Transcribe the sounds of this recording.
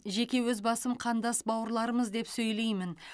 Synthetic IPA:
ʒe̞kʲe̞wɵzbɑsəmqʰɑnd̪ɑsbɑwəɾlˠɑɾəməzd̪e̞psɵjle̞jmɪn

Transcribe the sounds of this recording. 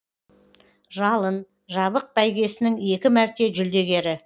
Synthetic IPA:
ʒɑlˠən | ʒɑβəq̚bæjɡʲe̞sɪnɪŋe̞kʲɪmæɾt̪e̞ʒʏld̪e̞ɡʲe̞ɾɪ

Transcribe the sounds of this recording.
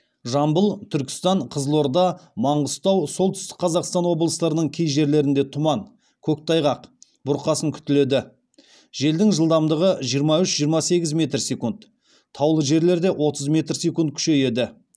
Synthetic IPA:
ʒɑmbəlˠt̪ʰʏɾkʲɪ̥st̪ɑɴqʰəzlˠo̞ɾd̪ɑmɑɴʁəst̪ɑwso̞lˠt̪ʰʏ̥st̪ɪ̥k̚qʰɑzɑqst̪ɑnwo̞blˠəst̪ɑɾənəɴkʲʰejʒe̞ɾle̞ɾɪnd̪e̞t̪ʰʊmɑɴ | kʲʰɵk̚t̪ʰɑjʁɑq | b̥ʊɾqɑsəŋkʲʰʏ̥t̪ɪle̞d̪ɪ | ʒe̞ld̪ɪŋʒəlˠd̪ɑmd̪əʁəʒijəɾmɑʏʃʒ̥ijəɾmɑse̞ɡʲɪzmʲe̞t̪rsekunt̪ | t̪ʰɑwlˠəʒe̞ɾle̞ɾd̪e̞ʔwʔo̞t̪əzmʲe̞t̪rsekunt̪̚kʲʰʏ̥ʃe̞je̞d̪ɪ

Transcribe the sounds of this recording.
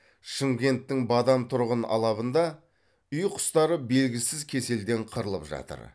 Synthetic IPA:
ʃəŋɡʲe̞nt̪ːɪŋbɑd̪ɑmt̪ʰʊɾʁənɑ̰lˠɑβənd̪ɑ | ʏjqʰʊ̥st̪ɑɾəbe̞lɡʲɪsɪzkʲʰe̞se̞ld̪e̞ɴqʰəɾəlˠə̰pʒɑ̰t̪ə̰ɾ

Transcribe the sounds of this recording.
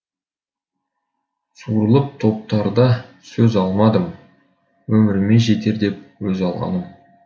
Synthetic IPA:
suɾəlˠəp̚t̪ʰo̞p̚t̪ɑɾd̪ɑ | sɵzɑlˠmɑd̪əm | wɵmɪɾɪme̞ʒe̞t̪e̞ɾd̪e̞p̚wɵzɑlˠʁɑ̰nəm

